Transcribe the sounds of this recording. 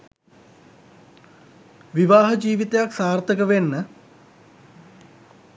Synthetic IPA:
ʋiʋaːɦəd͡ʒiːʋit̪ejaksaːrt̪əkəʋenːə

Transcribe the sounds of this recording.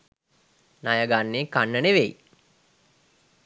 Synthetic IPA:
najəɡanːeːkanːəneʋej

